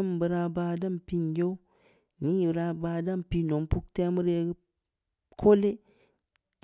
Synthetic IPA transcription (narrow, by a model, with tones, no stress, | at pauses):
m˨bə˨ɾa˨ba˨da˦m˨pi˦n˨d͡ʒo˦u˦ | ni˦˨bɾa˦ba˨da˦mpi˦no˨mpu˦kte˦mu˦ɾe˨ɡ | kʰo˦le˦